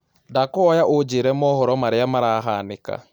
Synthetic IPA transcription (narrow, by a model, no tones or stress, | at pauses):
dakɔɔjaʔod͡ʒeɾɛmɔhɔɾɔmaɾeamaɾaːɦaneka̰